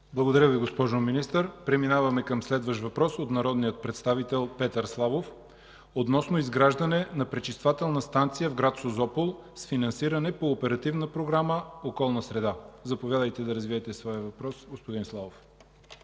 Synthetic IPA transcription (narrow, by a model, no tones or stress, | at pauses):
blˠəɡod̪ɐɾʲjəviɡospɔʒominist̪əɾpɾɛminavɐmɛkɐmslɛd̪vəʃt̪vɐpɾɔsot̪nɐɾɔd̪nijət̪̚pɾɛt̪st̪avit̪ɛlˠpɛt̪əɾslˠavof | ot̪nɔsnoizɡɾaʒd̪ɐnɛnɐpɾɛt͡ʃist̪vat̪ɛlˠnəst̪ant̪sijəvɡɾat̪sozɔpolˠ | sfinɐnsiɾɐnɛpoːpɛɾɐt̪ivnəpɾoɡɾaməokɔlˠnəsɾɛd̪azɐpovjad̪əjt̪ɛd̪ɐɾəzviɛt̪ɛsvɔjəvɐpɾɔsɡospod̪inslˠavof